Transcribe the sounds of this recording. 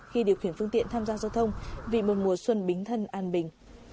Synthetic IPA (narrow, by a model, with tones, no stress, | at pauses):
xi˧ɗi˨˩əwxi˧˩ənfɨ˧əŋt̪ḭ˧˨ənt̪ʰaː˧mzaː˧zaː˧wt̪ʰə˧wŋ͡mvḭ˧˨˩mo˨˩t̚mu˨˩əswə˧nɓï˨˦ŋ̟t̪ʰə˧nʔaː˧nɓï˨˩ŋ̟